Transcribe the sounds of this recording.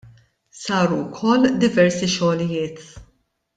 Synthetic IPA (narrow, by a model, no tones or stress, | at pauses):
sɐːɾukʰɔlːd̪ɪvɛɾsiʃɔːlɪjɪːt̪